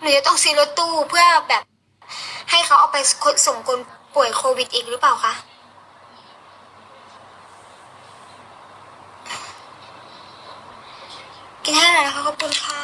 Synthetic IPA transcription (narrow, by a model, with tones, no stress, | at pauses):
mɯ˧˦t͡ɕa˨˧˩t̪ɔ˥˩ŋsɯː˧˦lo˦˥t̪ːuː˥˩pʰɯ˥˩ɐ˨˩bɛː˨˩p̚ | ha˥˩jkʰa˦˥wʔaː˨˩wpa˧jkʰo˧˥so˨˩˦mkʰo˧npu˨˩əjkʰoː˧wi˨˩t̪̚ʔiː˨˩k̚ɾɯ˦˥paː˨˩wkʰa˧˥˩ʔ | ki˧t̪ʰaː˥˩˨laː˧˩la˧˥kʰa˧˩kʰɔː˨˩p̚kʰu˧nkʰa˥˩